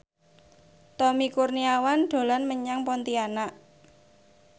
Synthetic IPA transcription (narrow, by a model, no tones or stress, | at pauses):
t̪ɔmikurniawanɖ̪̥o̤lanməɲaŋpɔnt̪ianaʔ